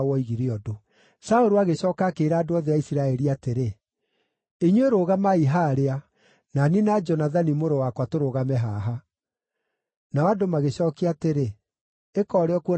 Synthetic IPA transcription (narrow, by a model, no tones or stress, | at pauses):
wɔiɣiɾeɔdo | saoɾoaɣeɕɔːkaːkeːɾaːdoɔðɛaisiɾaɛɾiateɾe | eɲweɾoɣamaiɦaːɾea | naninad͡ʒɔnaðanimoɾowakwatoɾoɣamɛɦaɦa | naɔadomaɣeɕɔːkeateɾe | ekɔɾeɔkuɔ